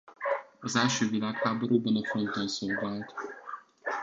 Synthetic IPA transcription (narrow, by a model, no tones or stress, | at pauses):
ɒzɛlʃøːvilaːkhaːboɾuːbɒnɒfont̪onsoːlvaːlt̪